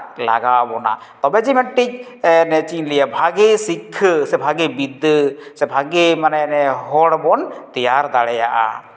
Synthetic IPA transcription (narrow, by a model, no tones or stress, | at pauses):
la̰ɡawbɔna̰ | t̪ɔbɛd͡ʒimɛɳʈic̚ | nɛt͡ʃinlijabʱaɡesikʰːsɛbʱaɡebid̪sɛbʱaɡemanɛnɛɦɔɽbɔnt̪ijaɾd̪aɽɛja̰ʔa̰